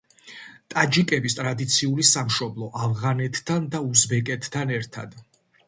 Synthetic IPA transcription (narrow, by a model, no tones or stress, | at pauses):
t̪ʼad͡ʒikʼɛbist̪ʼɾad̪it̪sʰiulisamʃɔblˠɔʔavʁanɛt̪ʰːand̪auzbɛkʼɛt̪ʰːanɛɾt̪ʰa̰d̪̥